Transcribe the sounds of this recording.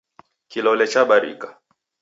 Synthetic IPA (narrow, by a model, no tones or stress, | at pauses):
kilɔlɛt͡ʃaɓaɾḭkḁ